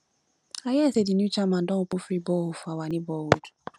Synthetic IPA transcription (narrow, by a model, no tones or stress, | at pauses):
ajaesedinut͡ʃamãdɔ̃ʊk͡pʊfɾibɔhʊfuawanɪbɔwodu̥